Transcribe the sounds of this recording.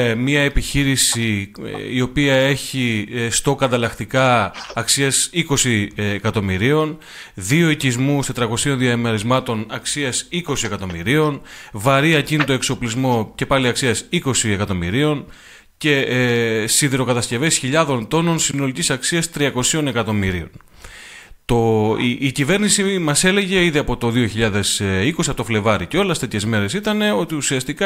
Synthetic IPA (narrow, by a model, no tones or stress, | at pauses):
mɐe̞piçiɾisiio̞piɐe̞çist̪o̞kɐnd̪ɐlɐxt̪ikɐːksiɐsiko̞siːkɐt̪o̞miɾio̞n | ðio̞icizmust̪e̞t̪ɾɐko̞sio̞nðiɐmeɾizmɐt̪o̞nɐksiɐsiko̞sie̞kɐt̪o̞mḭɾio̞nvɐɾiɐcinit̪o̞e̞kso̞plizmo̞ce̞pɐliɐksiɐsiko̞siekɐt̪o̞miɾio̞n | ce̞ | siðiɾo̞kɐt̪ɐsce̞ve̞sçiʎɐðo̞nt̪o̞no̞nsino̞licisɐksiɐst̪ɾiɐko̞sio̞ne̞kɐt̪o̞miɾio̞̰n | t̪o̞ːcive̞ɾnisimɐse̞le̞ʝe̞iðiɐpo̞t̪o̞ðio̞çiʎɐðe̞siko̞siɐpot̪ofle̞vɐɾico̞lest̪et̪ʰçe̞zme̞ɾe̞sit̪ɐne̞o̞t̪iusiɐst̪ikɐ